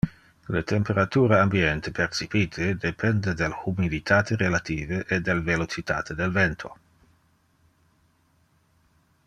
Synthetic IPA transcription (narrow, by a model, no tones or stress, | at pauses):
let̪empeɾat̪uːɾaambiɛnt̪epʰert͡ʃipiːt̪ʰed̪epʰɛnd̪ed̪elhumid̪it̪aːt̪ʰeɾelat̪iːveʔed̪elvelot͡ʃit̪a̰ːt̪ed̪elvɛnt̪ʰo̰